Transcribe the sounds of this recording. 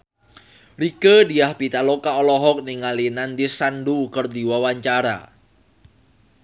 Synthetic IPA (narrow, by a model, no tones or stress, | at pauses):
ɾikədiahpit̪alokaɔlɔɦɔk̚niŋalinand̪isanduːkərdiwawaɲt͡ʃaɾa̰